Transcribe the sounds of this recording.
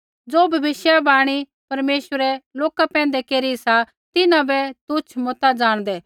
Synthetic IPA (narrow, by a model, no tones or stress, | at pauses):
d͡zoːbʱɐbɪʃjabaːɽ̃i | pɐɾmeːʃəɾɛloːkapɛ̃ːn̆d̪ɛkeːɾisa | t̪ɪnãbɛt̪ʊt͡ʃʰmɔt̪ad͡zaːɽ̃d̪ɛː